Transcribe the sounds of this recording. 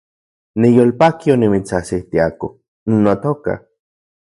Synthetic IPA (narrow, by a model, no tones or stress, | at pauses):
nijolpakionimit͡sasiht̪iako | nnːot̪oka̰